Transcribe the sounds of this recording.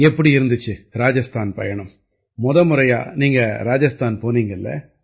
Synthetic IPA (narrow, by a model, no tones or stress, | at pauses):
ɛpːɐɽiɪɾɯnd̪ɯt͡ʃːɯɾaːd͡ʒɐst̪ʰaːnpɐ̰jɐɳɯm | mʊðɐmɯɾɐja̰ːniːŋɡɐɾaːd͡ʒɐst̪ʰaːnpoːniːŋɡɐlːɐ̰